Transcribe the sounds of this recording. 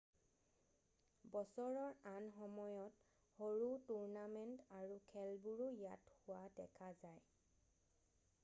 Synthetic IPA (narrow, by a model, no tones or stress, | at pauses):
bɔsɔɹɔɹanxɔmɔjɔt | hoɹutuɹnamɛntaɹukʰɛlbuɹujathʊwadɛkʰazaj